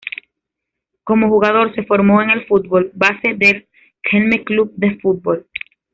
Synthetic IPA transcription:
ko̞moxuɣaðo̞ɾse̞fo̞ɾmo̞eŋe̞lfut̪̚bo̞lbase̞ðel | kʰenmeklub̚d̪efut̪̚bol

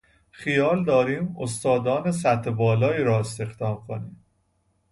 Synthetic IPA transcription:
xijɒːld̪ɒːɾiːmost̪ɒːd̪ɒːnes̬æt̪ʰːebɒːlɒːiːɾɒːest̪e̞xd̪ɒːmkʰoniːm

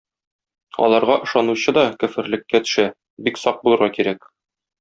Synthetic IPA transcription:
ɒ̰lˠɑɾʁɑʔɤ̆ʃɑnuɕɤd̪ɒkɵ̆fɘ̆ɾlɘ̆kːæt̪ɵ̥̆ʃæ | biksɒq̚bulˠɤ̆ɾʁɑkiɾæk̚

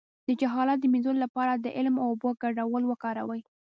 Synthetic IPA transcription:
d̪̥əd͡ʒaɦɑlat̪̚d̪əminzonolapɑɾad̪əʔɪlmawʊboɡaɖawəlwəkɑɾawəj

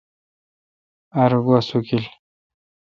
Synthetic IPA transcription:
aɾuɡasukil

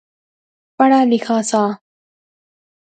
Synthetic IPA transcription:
paɽalixaːsaː

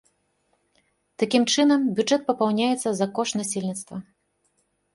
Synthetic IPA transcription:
t̪akʲimt͡ʂɨnɐmbʲuʐɛt̪̚pɐpawnʲajɛt̪sːɐzɐkɔʂnasʲelʲnʲit̪st̪vɐ

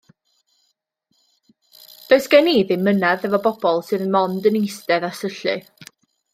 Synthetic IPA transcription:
d̥oɨsɡ̥ɛniːðɨmənaðɛvɔbɔb̥ɔlˠsɨðənmɔndənejstɛðasəɬɨ̰

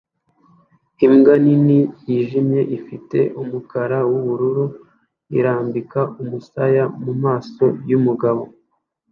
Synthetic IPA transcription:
imɡaninijiʒimɲe̞ʔifite̞̰ʔumukaɾawuβuɾuɾu | ḭɾaːmbikaumusajamumaːso̞jumuɡaβo̞

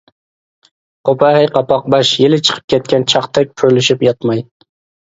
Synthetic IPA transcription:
qʰopʰɑhɛjqʰɑpɑq̚bɑʃjelɪt͡ʃʰə̥qʰə̥p̚kʲʰɛt̪̚kʲɛnt͡ʃʰɑχt̪ʰɛk̚ʲpʰøɾlɪʃɪpjɑt̪mɑj

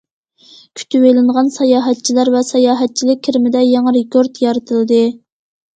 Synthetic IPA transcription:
kʲʰy̥t̪ʰywelɪŋʁɑnsɑjɑːɦɛt̪̚t͡ʃʰilæɾvɛsɑjɑːɦɛt̪̚t͡ʃʰilɪk̚ʲʰːiɾɪmɪd̪ɛjɛŋɨɾekʲoɾt̪jɑɾɨt̪ʰɨlˠɨd̪ɨ

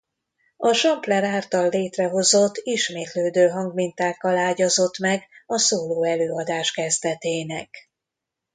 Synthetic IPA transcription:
ɒʃɒmplɛɾaːrt̪ɒlːeːt̪rɛɦo̞zo̞t̪ːiʃmeːt̪løːd̪øːɦɒŋɡmint̪aːkːɒlaːɟɒzo̞t̪mɛɡɒsoːloːɛløːɒd̪aːʃkɛzt̪ɛt̪eːnɛk

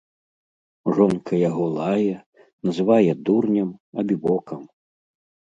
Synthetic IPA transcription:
ʐɔnkɐjaɣɔlˠajɛ | nɐzɨvajɛd̪urnʲɐmɐbʲibɔkʰɐm

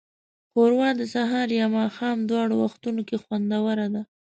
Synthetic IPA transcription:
xoɾwɑd̪əsaɦɑɾjɑmɑxɑmd̪wɑɽowaxt̪unokexwand̪awəɾad̪a

